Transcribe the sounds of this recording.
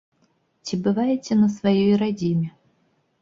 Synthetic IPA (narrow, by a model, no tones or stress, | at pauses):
t͡sʲibɨvajɪt͡sʲɛnɐsvajɔjɾad͡zʲimʲɛ